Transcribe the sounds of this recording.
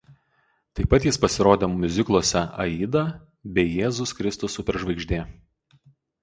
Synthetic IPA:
t̪ɐɪpːɐt̪jɪspɐsʲɪɾoːd̪ʲemʊmʲʊzʲɪklˠoɔsʲɛɐ̰iːd̪ɐ | bʲɛɪjeːzʊskɾʲɪst̪ʊsʊpʲɛɾʒʋɐɪɡʒʲd̪ʲeː

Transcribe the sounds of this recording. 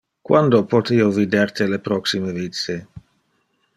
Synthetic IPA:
kwand̪opot̪iːovid̪ert̪elepɾɔksimevit̪se

